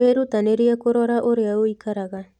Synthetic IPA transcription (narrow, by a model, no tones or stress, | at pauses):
eɾut̪aneɾiakoɾoɾaʔoɾeauikaɾaɣa